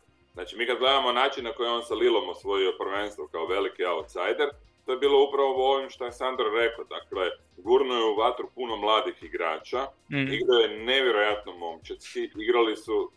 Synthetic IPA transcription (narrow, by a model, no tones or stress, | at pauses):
znaːt͡ʃimiːkad̪ɡled̪amo̞naːt͡ʃinːako̞jeo̞nsalilˠo̞mosʋo̞jio̞pr̩ʋe̞nst̪ʋokaoʋe̞likiaut̪sajd̪eɾ | t̪o̞jebiːlo̞upɾaʋo̞o̞ʋimʃt̪oesand̪ɾoɾe̞kod̪akle̞ | ɡuɾnojeuʋat̪ɾupuno̞mlˠaːd̪ixiɡɾa̰ːt͡ʃaiɡɾajoene̞ʋjeɾo̞jat̪nomo̞mt͡ʃesiiɡɾalisu